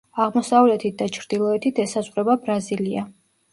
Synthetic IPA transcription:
aʁmɔsavlɛt̪ʰit̪̚d̪at͡ʃʰɾd̪̥ilˠɔɛt̪ʰit̪ʰɛsazʁɾɛbabɾazilia

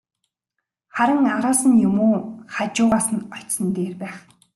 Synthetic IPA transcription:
χæɾə̆ŋaɾaːsə̆njʊmoːχat͡ɕʊːʁaːsə̆nɔt͡ɕsə̆nt̪eːrpæːχ

